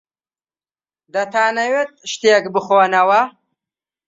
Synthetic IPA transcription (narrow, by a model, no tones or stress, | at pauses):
d̪ɐt̪ʰaːnɐwet̪̚ʃt̪eekbɨχoːnɐwɐ